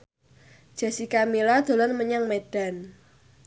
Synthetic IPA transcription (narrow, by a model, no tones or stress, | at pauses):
d͡ʒ̥a̤sikamilad̪̥o̤lɔnməɲaŋmeɖ̥a̤n